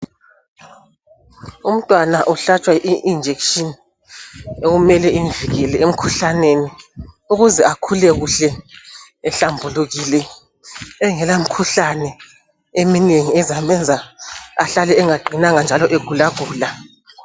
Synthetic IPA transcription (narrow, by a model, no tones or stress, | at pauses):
um̩tʼwanaʔuɬat͡ʃʼwaʔiʔind͡ʒʱekʃin | eɣumɛlɛiɱvʱiɣɛlɛem̩kʰuɬaneni | uɣuzɛakʰulɛɣuɬɛː | ɬambʱuluɣiːlɛː | ŋɛlam̩kʰuɬanɛ | emineŋiɛzamɛnd͡zʱaaɬalɛɛŋaǃʱinaŋand͡ʒʱalɔʔeɡ̥ʱulaɡ̥ʱuːla